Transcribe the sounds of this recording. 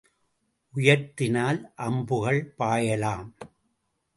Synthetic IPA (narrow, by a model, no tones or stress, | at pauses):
ʔʊjɐɾt̪ɪnaːlʔɐmbɯɣɐɭpaːjɐlaːm